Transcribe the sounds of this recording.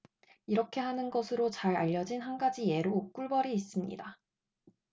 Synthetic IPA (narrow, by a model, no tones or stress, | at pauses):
iɾʌkʰe̞ɦanɯnɡʌsʰɯɾot͡ɕaɾaʎːʌd͡ʑinhanɡad͡ʑije̞ɾok͈uɭbʌɾiːs͈ɯmɲḭda